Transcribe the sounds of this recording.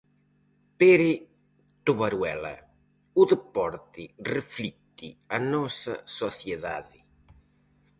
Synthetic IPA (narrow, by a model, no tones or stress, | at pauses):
peɾɪ | t̪uβaɾwɛlɐ̰ | uðɪpɔɾt̪ɪrɪflit̪ːianɔsɐ̰sɔθjeða̰ðɪ